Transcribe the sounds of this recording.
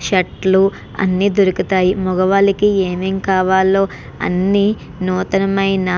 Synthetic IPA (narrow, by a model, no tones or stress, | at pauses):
ʃɐʈlu | ɐ̰nːiːd̪oɾukit̪aːjimɔɡɐʋaːlikieːmeːŋkaːʋaːlo̞ː | ɐ̰nːi | nuːt̪ɐnɐmɐjnɐ